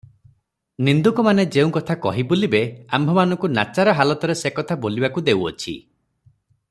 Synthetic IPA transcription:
nind̪ukɔmaned͡ʒeũkɔt̪ʰakɔɦibulibeambʱɔmanɔ̃ŋkunat͡ʃaɾɔɦalɔt̪ɔɾesekɔt̪ʰabolibakud̪ewɔ̰t͡ʃʰḭ

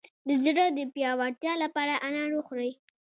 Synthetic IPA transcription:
d̪əzɽəd̪əpjɑwaɾt̪jɑlapɑɾaʔanɑɾoxɾəj

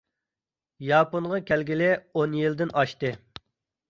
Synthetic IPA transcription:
jɑːponʁɑkʲʰælɡʲilɪonjild̪ɪnʔɑʃt̪ɨ

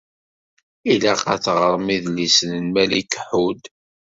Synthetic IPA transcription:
ilaqɑθʁəɾˤmiðlisənənmælikħud̪

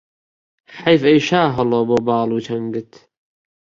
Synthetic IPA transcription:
ħɐjfɐjʃaːɦɐloːboːbɑːluːt͡ʃʰɐŋɡɨt̪

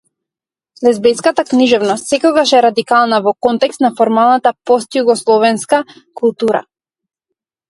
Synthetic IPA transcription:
lɛzbɛj̪skat̪akniʒɛvnɔst̪sɛkɔɡaʃɛɾad̪ikalˠnavɔkɔnt̪ɛkst̪nafɔɾmalˠnat̪apɔst̪juɡɔslˠɔvɛnskakulˠt̪uɾa̰

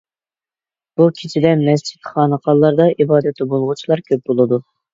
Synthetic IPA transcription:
b̥ukʲʰit͡ʃʰid̪ɛmɛs̬t͡ʃʰi̥t̪χɑːnɨqɑlˠːɑɾd̪ɑibɑːd̪ɛt̪ʰːɛbolˠʁut͡ʃʰilˠɑɾkʲʰøp̚bolˠɨd̪u

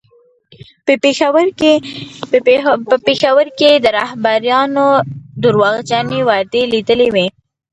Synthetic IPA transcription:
exaw | əpexawəɾked̪əɾɑhbaɾjɑnod̪uɾwɑɣd͡ʒɑnewɑd̪elid̪əlewe

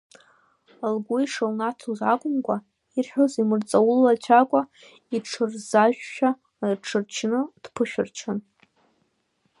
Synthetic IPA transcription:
alɡʷuiʂolnatʰuzakʷʼʊmkʷʼa | irħʷᶣozimɨrt͡sʼawʊlːat͡ɕʷʰakʷʼa | iʈ͡ʂʰɨrzaʒᶣʃᶣa | rʈ͡ʂʰɨrt͡ʃʰnɨd̥pʰɨʃᶣɪrt͡ʃʰan

